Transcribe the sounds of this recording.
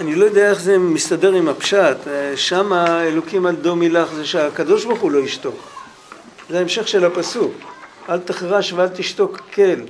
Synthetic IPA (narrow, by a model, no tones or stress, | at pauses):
anilo̞jod̪ejaeχzemist̪adeʁimapʃat̪ʃamaelo̞kimald̪o̞milaχzeʃeakad̪o̞ʃbaχulo̞iʃt̪o̞k | zeaemʃe̞χʃe̞lapasuk | alt̪eχʁaʃvealt̪iʃt̪o̞kʰːe̞l